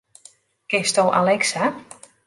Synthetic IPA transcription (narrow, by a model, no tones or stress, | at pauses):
kɪstowʔa̰lɛksa